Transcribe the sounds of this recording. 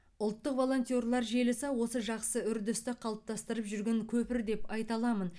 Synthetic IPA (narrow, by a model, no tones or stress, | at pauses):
ʊlˠt̪ːəqvo̞lˠo̞nt̪ʲjorlˠɑɾʒe̞lɪsɑwo̞səʒɑqsəʏɾd̪ʏst̪ɪqʰɑlˠəp̚t̪ʰɑst̪əɾəpʒʏɾɡʲe̞ŋkʲʰɵpɪɾd̪e̞pɑjt̪ɑlˠɑmən